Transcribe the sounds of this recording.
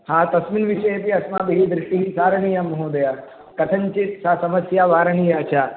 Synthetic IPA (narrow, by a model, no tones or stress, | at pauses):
haːt̪ɐsminʋiʃɐjepiɐsmaːbiɦiːd̪ɾɪʂʈiɦisaːɾɐɳiːjamɐɦoːd̪ɐja | kɐt̪ʰɐɲt͡ʃit̪saːsɐmɐsjaːʋaːɾɐɳiːjɐɐt͡ʃʰaː